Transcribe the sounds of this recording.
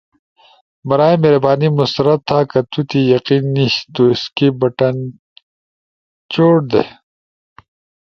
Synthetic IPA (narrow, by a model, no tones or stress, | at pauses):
mɐɾaːemeɾɐbaːnimust̪ɾɐtt̪ʰːaːkɐt̪ut̪ijɐqiːnːiɕt̪oɪskibɐʈɐn | t͡ɕoːʈ̚d̪ḛ